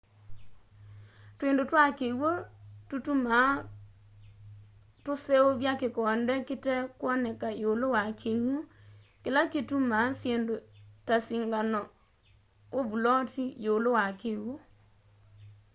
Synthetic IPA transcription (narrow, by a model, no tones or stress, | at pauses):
twendotwakewototuma | tosɛoβjakekɔndɛketɛkwɔnɛkajolowakʰewo | kelaketumasjendotasiŋɡanɔ | ovulɔtijolowakewo